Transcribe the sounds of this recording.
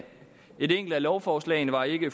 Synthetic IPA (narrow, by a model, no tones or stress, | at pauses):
e̝deŋ̰ɡ̥l̩d̥ælɒʊfɒːslɛ̰ɪnəʋɑ̈e̝ɡ̥əf